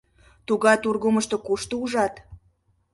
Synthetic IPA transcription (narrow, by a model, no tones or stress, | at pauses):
t̪uɣɑjt̪urɣuməʃt̪ŏkuʃt̪ouʒɑt̪